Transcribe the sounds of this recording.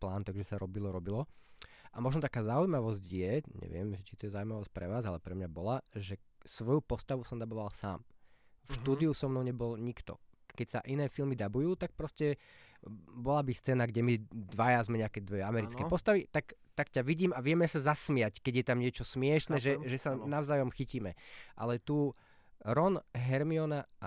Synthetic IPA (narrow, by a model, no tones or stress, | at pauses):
plaːnt̪aɡʒɛsaɾɔbilɔɾɔbilɔ | ʔamɔʒnɔt̪akaːzaujmaʋɔzɟjɛɲɛ̰ʋɪɛ̰mʒɛt͡ʃi̥t̪ɔjɛzaujmaʋɔsc̚pɾɛʋaːzalɛpɾɛmɲabɔlaʒɛsʋɔjupɔst̪aʋusɔmd̪abɔʋalsa̰ːmfʃt̪uːd̪iusɔmnɔʊɲɛbɔlɲikt̪ɔ̰kɛcsa̰ʔinɛːfilmid̪abujuːt̪ak̚pɾɔscɛ | bɔlabist͡sɛːnaɡɟɛmid̪ʋajazmɛɲɛakɛd̪ʋɛamɛɾit͡skkɛːpɔst̪aʋit̪akt̪akcaʋiɟiːmaʋɪɛmɛsazasmɪackɛɟjɛt̪amɲɪɛt͡ʃɔsmɪɛʃnɛʒɛʒɛsanaʊzaːjɔmxiciːmɛʔa̰lɛt̪uː | ɾɔnɦɛɾmiɔna